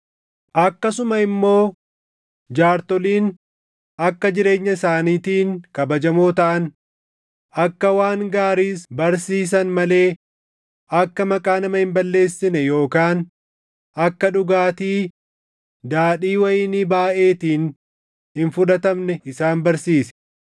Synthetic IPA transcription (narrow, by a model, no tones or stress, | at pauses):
ʔɐkːɐsʊmɐɪmːo̞ː | d͡ʒaːɾt̪ɔliːn | ɐkːɐd͡ʒɪɾe̞ːɲːɐɪsaːniːt̪iːŋkɐbɐd͡ʒɐmoːt̪ɐʔɐn | ɐkːɐwaːŋɡaːɾiːsbɐɾsiːs̬ɐnmɐle̞ː | ɐkːɐmɐkʼaːnɐmɐhɪmbɐlːe̞ːsːɪnɛjo̞ːkaːn | ɐkːɐᶑʊɡaːt̪iː | d̪aːᶑiːwɐjiːnibaːʔe̞ːt̪iːn | hɪnfʊᶑɐt̪ɐmnɛɪsaːnbɐɾsiːsɛ̥